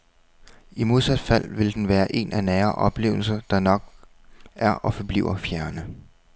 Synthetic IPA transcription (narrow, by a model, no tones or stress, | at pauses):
imo̝ð̞ˠsæd̥fæl̰ʋe̝ld̥enʋæːɐʔe̝nænæːɐʔɒ̽b̥le̝̰ːʊl̩sɐd̥ɑ̈nɒ̽ɡ̥̚ | ʔæɐʔɒ̽fɒ̽b̥lḭːʊ̰ɐfjæɐnə